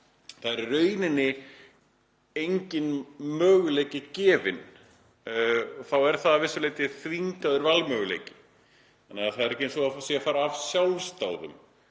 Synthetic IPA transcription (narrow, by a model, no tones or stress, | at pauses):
θaðɛɾrœːɥnɪnːɪ | ejɲcɪnmœːɣʏleːjcɪcɛːvɪ̰n | θawɛɾ̥θaðavɪsʏɾleːjt̪ɪθviɲkaðʏɾvalmœːɣʏlḛːjcɪ̥ | anːɛaθaðɛɾɛhcɪensɔasjɛafaːɾaːv̥sjawlst̪aːwðʏ̰m